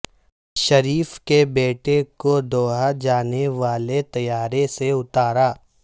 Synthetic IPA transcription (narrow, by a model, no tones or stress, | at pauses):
ʃɐɾiːfkebeːʈekod̪ɔːɦad͡ʒaːneʋaːlet̪ɐjaːɾeseʊt̪aːɾaː